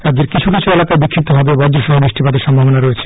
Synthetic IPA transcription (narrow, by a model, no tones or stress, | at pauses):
t̪ad͡ʑeɾkit͡ɕʰukit͡ɕʰuelakaebikʰːip̚t̪obʱabebɔd͡ʑɾoʃɔɦobɾiʃʈʰibad̪eɾʃɔmbʱabonaɾoet͡ɕʰe̥